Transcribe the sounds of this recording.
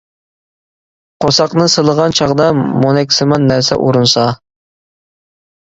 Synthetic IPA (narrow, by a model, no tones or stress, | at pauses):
qʰosɑqnɨsɨlˠəʁɑnt͡ʃʰɑʁd̪ɑmonɛkʲsɨmɑnːæɾsɛ̰ʔuɾunsɑ